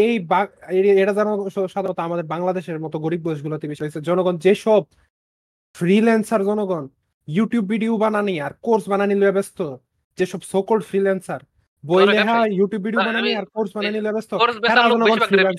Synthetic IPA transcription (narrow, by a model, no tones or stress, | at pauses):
ejbaeieʈad͡ʑanoʃad̪ʱnɔt̪oamad̪eɾbaŋlad̪eʃeɾmɔt̪oɡoɾib̚ɡoeʃ̬ɡulot̪ibeʃoesʰed͡ʑɔnoɡɔnd͡ʑeʃɔb̚ | fɾilɛnsaɾd͡ʑɔnoɡɔn | juʈijubːiɖiobananiaɾkoɾsbananiloabest̪o | d͡ʑeʃɔbsokolɖfʰɾilɛnsaɾ | bojleɦajuʈijubːiɖiobananiaɾkoɾsbananiloebest̪oɛɾad͡ʑɔnoɡɔnfɾilɛns